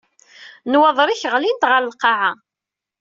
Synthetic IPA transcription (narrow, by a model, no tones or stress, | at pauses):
nwɑðˤɾiçəʁlint̪ʁəɾəlqɑʕa